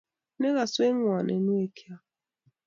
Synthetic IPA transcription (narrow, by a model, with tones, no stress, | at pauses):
ne˦ɣa˨swe˦ŋwa˨nʔɛ̰˨nu˦e˨kʰja˦